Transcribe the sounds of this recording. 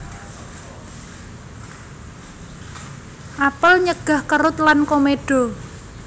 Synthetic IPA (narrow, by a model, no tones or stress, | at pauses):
ʔapəlɲəɡ̥a̤hkəɾʊt̪lankomeɖ̥ɔ̤